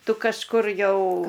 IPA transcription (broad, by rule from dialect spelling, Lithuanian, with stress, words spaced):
ˈtʊ kɐʃˈkʊr ˈjɛʊ